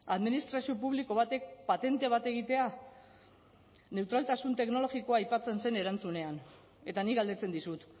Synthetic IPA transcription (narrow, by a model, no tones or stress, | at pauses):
aðminist̪ɾasio̞puβliko̞β̞at̪e̞k̚pat̪e̞nt̪e̞β̞at̪e̞ɣ̞it̪e̞a | ne̞wt̪ɾalt̪asunt̪e̞kno̞lo̞ɣiko̞aːjpat͡se̞nse̞ne̞ɾant͡sune̞an | e̞t̪aniɣɡald̪e̞t͡se̞nd̪isut̪